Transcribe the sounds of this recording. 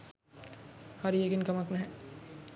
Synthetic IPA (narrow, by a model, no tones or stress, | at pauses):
haɾijeɡinkɐmaknɛɦɛ̃